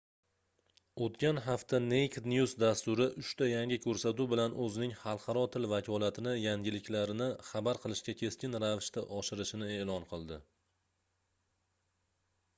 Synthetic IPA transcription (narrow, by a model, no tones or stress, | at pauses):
ot̪kʲanɦaft̪ʰanejkʰʲd̪njuzd̪ast̪ʊɾɪʔʊʃt̪ajaŋʲɪkʲʰɵɾsat̪ubɪlanʔɵzɪnɪŋhɑlˠqʰɑɾɒt̪ʰɪlvakʰʲɒlˠat̪ʰɪnɪjaŋʲɪlɪkʲʰlaɾɪnɪχɑbaɾqʰɨlˠɪʃkʲakʲʰe̞skʲɪnɾavɪʃt̪ʰaʔɒʃɪɾɪʃɪnɪe̞ːlɒnqʰɨlˠd̪ɪ